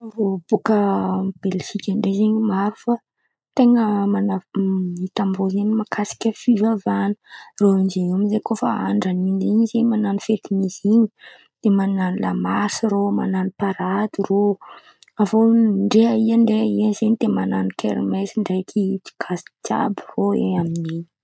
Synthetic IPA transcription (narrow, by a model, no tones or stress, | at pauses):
robukəb̥elʃikʲaɳɖ͡ʐezeɲimaɾufa | t̪eŋəmanait̪ambozeɲimakʰasi̥kʲəfivavanə̥roind͡ʒeiamizekofaa̰ɳɖ͡ʐaniniɲzemananifet̪imiziɲi̥ | d̪̥emananila̰masiɾoma̰nanipaɾad̪iro | avoɳɖ͡ʐeaiaɳɖ͡ʐeaiazeɲt̪emananikʰḛɾmesiɳɖ͡ʐajkʰiti̥ɡ̥ʰasi̥t͡sa̰biroeaminii̥